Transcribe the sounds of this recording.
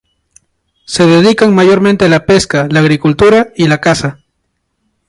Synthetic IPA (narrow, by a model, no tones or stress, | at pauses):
se̞ðeðikaŋmajo̞ɾme̞nt̪ealape̞skalaːɣɾikult̪uɾailakasa